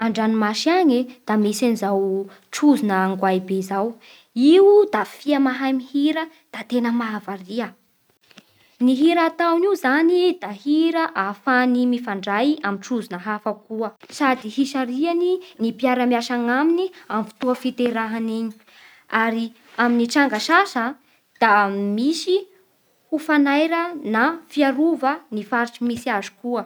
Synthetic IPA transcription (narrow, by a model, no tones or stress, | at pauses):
aɳɖ͡ʐanimaʃiaɲid̪̥amisanizaw | ʈ͡ʂuzinəːŋɡwajbezaw | iwud̪afiamaɦajmihiɾə | d̪̥at̪enəmavaɾiə | niɦiɾat̪awniwzanid̪ahiɾəʔafanimifaɳɖ͡ʐajamiʈ͡ʂuzinəɦafəkuəsad̪iɦiʃaɾianinipiaɾamiaʃaŋaminiamfi̥t̪uəfit̪eɾaɦaniɲi̥ | aɾi | aminiʈ͡ʂaŋɡaʃaʃə | d̪̥amisi | hufanajɾənafiaɾuvənifaɾʈ͡ʂimisiazu̥kuə